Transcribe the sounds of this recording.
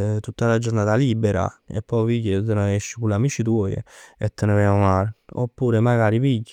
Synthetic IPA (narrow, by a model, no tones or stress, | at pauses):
t̪ut̪ːalad͡ʒoɾnaːt̪aliːbɛɾa̰ɛ̰pːɔjviɟːet̪enaɛʃːikulamit͡ʃit̪̬wɔːj̰ɛt̪ːenɛvɛmomaɾo̰pːuːɾemaɡaːɾipiɟːi